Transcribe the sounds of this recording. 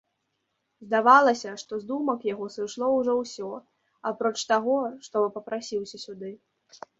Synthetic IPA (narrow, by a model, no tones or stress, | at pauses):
zd̪avalˠɐsʲɐʂt̪ɔzd̪umɐkjaɣɔsɨʂlˠɔwʐɔwsʲɔ | apɾɔt͡ʂt̪aɣɔʂt̪ɔvɨpɐpɾasʲiwsʲɐsʲud̪ɨ